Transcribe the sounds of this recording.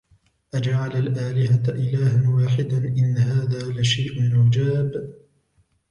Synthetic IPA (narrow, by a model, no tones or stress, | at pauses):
ʔad͡ʒaʕalalʔaːlɪɦaʔɪlaːhanwaːħɪd̪anʔɪnːaɦaːðaːlaʃajʔmʊd͡ʒaːb